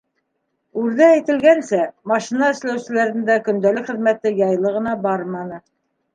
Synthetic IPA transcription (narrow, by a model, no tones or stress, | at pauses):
ʉɾðæːjt̪ɘ̆lɡænsɘmɑʃinɑɘ̆ʃlæwsɘ̆læɾɘ̆nd̪ækɵ̆nd̪ælɘkχɘ̆ðmæt̪ɘjɑjlˠɤʁɤ̆nɑbɑɾmɑnɤ